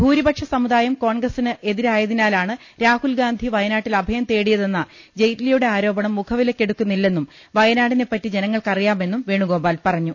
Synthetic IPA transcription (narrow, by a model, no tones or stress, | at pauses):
bʱuːɾibɐkʂɐsɐmuðaːjɐmko̞ːɳɡrɐsinɨʔe̞ðiɾaːjɐðinaːlaːɳɨ | ɾaːhulɡaːnd̪ʱiʋɐjɐnaːʈːilɐbʱɐjɐmt̪e̞ːɽijɐðe̞nːɐ | d͡ʑe̞jtilɐjuɽe̞aːɾo̞ːbɐɳɐmːukʰɐʋilɐkʲːe̞ɽukːunːilːe̞nːum | ʋɐjɐnaːɽine̞pːɐtːid͡ʑe̞nɐŋːɐɭkɐrijaːme̞nːumʋeːɳuɡo̞ːbaːlpɐrɐɲːu